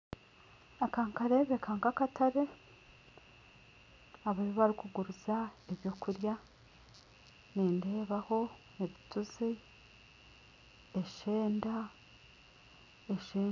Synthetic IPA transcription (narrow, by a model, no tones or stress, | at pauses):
akaːŋkaɾe̞βe̞kʰaŋɡakatʰaɾe | aβajoβaɾikuɡuɾuzaeβjo̞kuɾja | niːnde̞ːβaho̞ | neβituzi | eʃeːnda | eʃiː